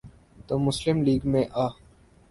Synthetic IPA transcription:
t̪oːmʊslɪmliːɡmẽʔaː

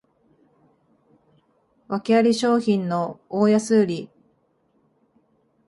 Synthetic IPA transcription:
βakʲiaɾʲiɕo̞ːçĩnːo̞oːjasɨːɾʲi

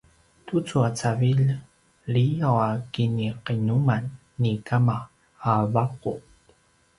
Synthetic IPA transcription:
t̪ut͡suat͡savil | lijawakiniqinumanː | ikama | abaqṵ

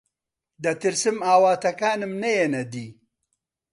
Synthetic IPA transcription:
d̪ɐt̪iɾsimaːwaːt̪ɐkaːnɐmnɐjenɐd̪i

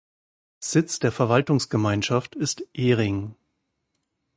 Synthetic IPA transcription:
z̥ɪt͡sd̥eːɐfɛɐvaltʊŋsɡ̥əmaɪnʃaftɪstʔeːʁɪŋ

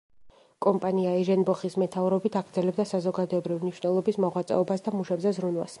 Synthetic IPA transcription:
kʼɔmpʼaniaɛʒɛnbɔχismɛt̪ʰavɾɔbit̪ʰaɡɾd̪zɛlɛb̚d̪asazɔɡad̪ɔɛbɾivimniʃnɛlˠɔbismɔʁwat̪sʼɛ̰ɔbasd̪amuʃɛbzɛzɾunwa̰s

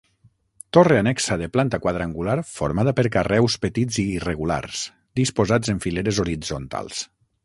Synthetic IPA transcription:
t̪oreanɛksaðeplant̪akwaðɾaŋɡulaɾfoɾmaðəpəɾkarɛwspet̪id͡ziːreɣula̰ɾs | d̪ispozad͡zeɱfileɾezoɾid͡zont̪a̰lˠs

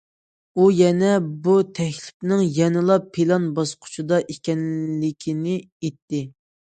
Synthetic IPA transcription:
ujɛnɛbut̪ʰɛkʲlɪp̚nɪŋjɛnɨlˠɑpʰːelˠɑnbɑsqʰʊ̥t͡ʃʰud̪ɑʔekʲɛnɪkʲʰinɪ | et̪ːɪ

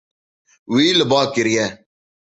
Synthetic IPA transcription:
wiːləbaːkɪɾjɛː

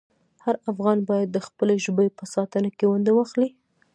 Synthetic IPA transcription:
haɾafɣɑnbɑjad̪ːəxpəleʒbəpəsɑt̪ənakewand̪awɑxli

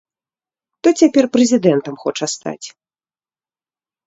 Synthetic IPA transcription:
t̪ɔt͡sʲapʲɛrpɾɛzʲid̪ɛnt̪ɐmxɔt͡ʂɐst̪a̰t͡sʲ

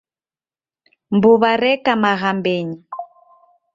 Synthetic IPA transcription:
mbuβaɾɛkamaɣambeːɲi

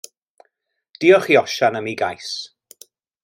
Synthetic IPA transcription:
d̥iɔχiɔʃanəmiɡajs

